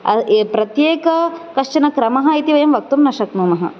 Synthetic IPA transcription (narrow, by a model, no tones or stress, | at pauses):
ɐ̰epɾɐt̪jeːkɐkɐʂt͡ʃɐnɐkɾɐmɐɦɐit̪iʋɐjɐmʋɐk̚t̪umnɐʂɐknuːmɐɦɐ̰